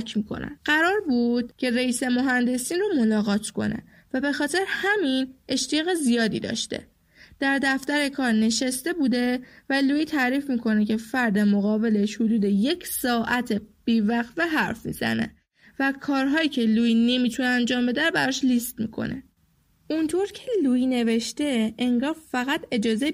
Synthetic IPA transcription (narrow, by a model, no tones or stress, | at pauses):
cʰmiːkʰo̰næ̰mɢæɾɒːɾbuːd̪̥̚cʰe̞ɾeiːse̞moɦænd̪e̞siːnɾomo̞lɒːɣɒːt̪ʰkʰo̞̰nḛ | væbe̞xɒːt̪ʰe̞ɾehæmine̞ʃt̪ʰijɒːɣe̞zijɒːd̪ḭːd̪ɒ̰ːʃt̪ḛ | d̪̥æɾd̪æft̪æɾe̞kʰɒːɾne̞ʃæst̪e̞buːd̪e̞væluːjiːt̪ʰæɾiːfmiːkʰo̞ne̞cʰe̞fæɾd̪emoɣɒːbe̞le̞ʃhod̪uːd̪e̞je̞cʰsɒːʔæt̪ʰeb̥iːvæxveɦæɾfmḭːz̥æ̰nḛ | vækʰɒːɾɦɒːiːcʰe̞luːine̞miːt̪ʰuneænd͡ʒɒːmbe̞d̪æɾobæɾɒːʃlist̪mḭkʰo̞̰ne̞̰ | ʔunt̪ʰo̞ɾcʰeluːine̞ve̞ʃt̪e̞eŋɡɒːɾfæɣæt̪ʰe̞d͡ʒɒːze